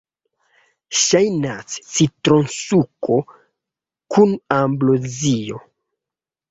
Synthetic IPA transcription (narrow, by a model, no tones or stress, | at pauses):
ʃajnassitɾonsukʰo | kʰunamblozijo